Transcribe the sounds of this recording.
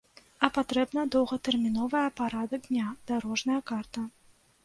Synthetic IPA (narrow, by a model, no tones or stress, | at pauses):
ɐpat̪ɾɛbnɐd̪ɔwɣɐt̪ɛrmʲinɔvɐjɐpaɾad̪ɐɡd̪ʲnʲad̪̥aɾɔʐnɐjɐkart̪ɐ